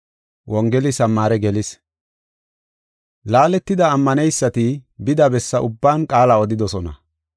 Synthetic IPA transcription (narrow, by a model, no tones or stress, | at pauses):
wʔɔŋɡɛlɪsɐmːaːɾɛɡɛlɪs | laːlɛt̪ːɪd̪ɐːmːɐnɛjsːɐt̪ɪbɪd̪ɐbɛsːɐʔʊbːaːnkʼaːlɐɔd̪ɪd̪ɔsɔnɐ̰